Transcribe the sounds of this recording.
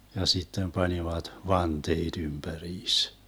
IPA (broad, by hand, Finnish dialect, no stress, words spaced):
jɑ sitːem pɑniʋɑt ʋɑnteːd̥ ymb̥æriːs